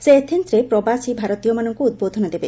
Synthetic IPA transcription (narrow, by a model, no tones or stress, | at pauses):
seːt̪ʰent̪ɾepɾɔbasibʱaɾɔt̪ijɔmanɔŋkuud̪̚bod̪ʱɔnad̪ebe